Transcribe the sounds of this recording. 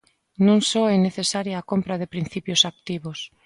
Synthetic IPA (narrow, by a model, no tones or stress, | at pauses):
nũŋsoɛneθesaɾjaːkompɾaðepɾin̟θipjosak̚t̪iβos